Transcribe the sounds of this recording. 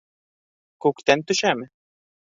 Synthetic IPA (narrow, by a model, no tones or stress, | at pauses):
kokt̪ʲɛnt̪ʊʃæːmɪ